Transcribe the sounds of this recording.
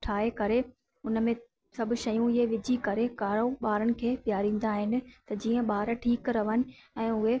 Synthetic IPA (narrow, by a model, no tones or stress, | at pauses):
ʈʰaːekɐɾe | ʊnmẽ | sɐbʱʊ̆ʃɐjũɪɦeʋɪd͡ʑʱikɐɾekaːɾoɓaːɾənɪ̆kʰeːpjaːɾĩːn̆d̪aːɦɪnɪ̆t̪ɐd͡ʑiːə̃ɓaːɾʈʰiːkɾɐʋənɪ̆ɛ̃ːʊɦe